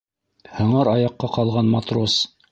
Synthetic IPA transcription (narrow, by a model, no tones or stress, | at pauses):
hɤ̆ɴɑɾɑjɑqːɑqɑlˠʁɑnmɑt̪ro̞s